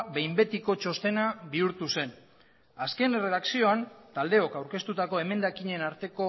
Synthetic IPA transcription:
βe̞jmbe̞t̪iko̞t͡ʃo̞st̪e̞nabiuɾt̪use̞n | aske̞nre̞ðaksio̞ant̪ald̪eo̞kawɾke̞st̪ut̪ako̞e̞me̞nd̪akiɲe̞naɾt̪e̞ko̞

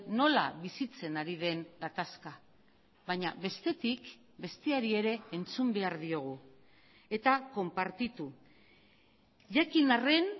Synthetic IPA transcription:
no̞la̰βisit͡se̞naɾið̞e̞ŋɡat̪aska | βaɲaβe̞st̪e̞t̪ik | be̞st̪eaɾie̞ɾe̞ːnt͡sumbe̞aɾðio̞ɣ̞u | e̞t̪ako̞mpaɾt̪it̪u | ʝakinare̞n

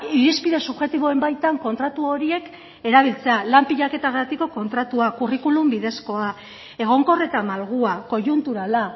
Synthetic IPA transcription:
iɾispiðe̞suβʝe̞t̪iβo̞e̞mbajt̪aŋko̞nt̪ɾat̪uo̞ɾie̞k | e̞ɾaβ̞ilt͡se̞alampiʎake̞t̪aɣɾat̪iko̞ko̞nt̪ɾat̪uakurikulumbiðe̞sko̞a | e̞ɣ̞o̞ŋko̞re̞t̪amalɣuako̞ʝunt̪uɾala

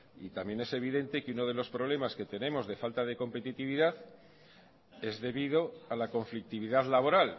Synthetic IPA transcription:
ḭt̪amje̞ne̞se̞β̞iðe̞nt̪e̞keuno̞ð̞e̞lo̞spɾo̞β̞le̞maske̞t̪e̞nẽ̞mo̞zðe̞falt̪aðe̞ko̞mpe̞t̪it̪iβiðaθ | e̞zðe̞βiðo̞alako̞ɱflik̚t̪iβiðaðlaβ̞o̞ɾal

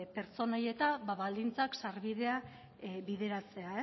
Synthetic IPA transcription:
pe̞ɾt͡so̞noje̞t̪aβaβald̪int͡saksaɾβiðe̞a | βiðe̞ɾat͡se̞ae

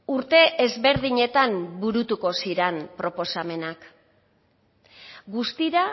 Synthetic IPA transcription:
uɾt̪e̞ʔezβe̞ɾð̞iɲe̞t̪ambuɾut̪uko̞siɾenpɾo̞po̞same̞nak | ɡust̪iɾa

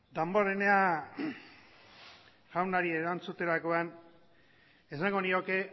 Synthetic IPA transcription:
d̪amboɾenea | ʝawnaɾieɾant͡sut̪e̞ɾako̞an | esaŋɡo̞nio̞ke̞

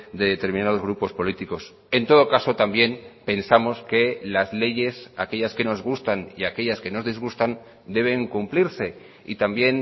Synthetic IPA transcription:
d̪e̞ðet̪e̞ɾmĩnað̞o̞zɣ̞ɾupo̞spo̞lit̪iko̞s | e̞nt̪o̞ð̞o̞kaso̞t̪ambje̞npe̞nsamo̞ske̞lazle̞ʝe̞sake̞ʎaske̞no̞zɣ̞ust̪anḭake̞ʎaske̞no̞zðizɣust̪an | d̪e̞β̞e̞ŋkumpliɾse̞ | ḭt̪ambje̞n

